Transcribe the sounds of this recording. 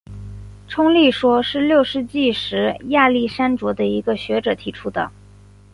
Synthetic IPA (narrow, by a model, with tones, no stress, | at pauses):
ʈ͡ʂʰʊ˥ŋli˥˩ʂwɔ˥ʂɻ̩˥˧ljo˥˩ʊʂɻ̩˥˧t͡ɕi˥˩ʂɻ̩˧˥ja˥˧li˥˩ʂa˥nʈ͡ʂwɔ˧˥d̪ə˧i˧˥ɡə˧ɕɥɛ˧˥ʈ͡ʂɤ˨˩t̪ʰi˧˥ʈ͡ʂʰu˥d̪ə̰˨˩